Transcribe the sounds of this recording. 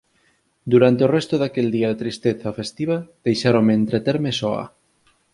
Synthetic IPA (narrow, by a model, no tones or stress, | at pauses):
d̪uɾant̪eorɛst̪oðakeld̪iaðet̪ɾist̪eθɐfest̪iβɐð̥ejʃaɾoŋmeːnt̪ɾet̪eɾmesɔa̰